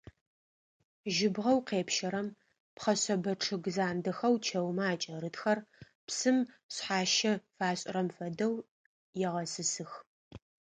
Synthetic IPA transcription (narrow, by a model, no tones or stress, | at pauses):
ʒɪbʁɐwqeːpʃɐɾɐm | pχɐɕɐbɐʈ͡ʂʰɨɣzaːndɐxɐwt͡ʃʰɐwmaːt͡ʃʼɐɾɨtxɐr | psɨm | ɕħaːʃɐfaːɕʼɪɾɐmfɐdɐw | jɛʁɐsɨsɨx